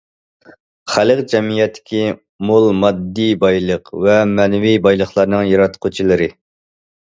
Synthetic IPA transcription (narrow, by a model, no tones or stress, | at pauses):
χæləqd͡ʒɛmijɛt̪ʰːɪ̥kʲi | molˠmɑd̪ːibɑjlˠəqvɛmɛnvibɑjlˠəχlˠɑɾnɨŋjɑɾɑt̪qʰʊt͡ʃʰilˠɨɾɨ